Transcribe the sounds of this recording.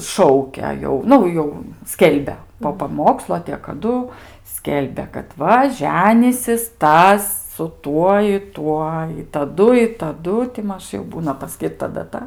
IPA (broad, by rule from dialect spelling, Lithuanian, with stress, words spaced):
ˈʃɐʊkʲɛ jɛʊ ˈnʊ jɛʊ ˈsʲkʲɛlʲbʲɛ poː pɐˈmoːkslˠoː ɐ tʲeː kɐˈdʊ ˈsʲkʲɛlʲbʲɛ kɐt ˈʋɐ ˈʒʲæːnʲiːsʲɪs ˈtɐs sʊ ˈtuɔ ɪ ˈtuɔ ɪ tɐˈdʊ ɪ tɐˈdʊ tʲɪ ˈmɐʃ jɛʊ ˈbuːnɐ pɐˈsʲkʲiːrtɐ dɐˈtɐ